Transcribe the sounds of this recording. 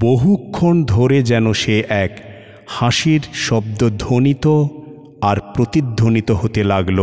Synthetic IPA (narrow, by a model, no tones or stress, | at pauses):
boɦukʰːond̪ʱoɾed͡ʑɛnoʃeʔɛk | haʃiɾʃɔb̚d̪od̪ʱonit̪o | aɾpɾot̪id̪ʱːonit̪oɦot̪elaɡlo